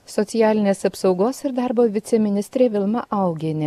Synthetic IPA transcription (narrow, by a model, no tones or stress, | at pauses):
sɔt̪ʲɪjæːlʲɪnʲeːsɐpsɒʊɡoːsɪɾd̪ɑˑɾboːʋʲɪt̪sʲɛmʲɪnʲɪst̪ʲɾʲeːʋʲɪlˠmɐʔɐˑʊɡʲenʲɪ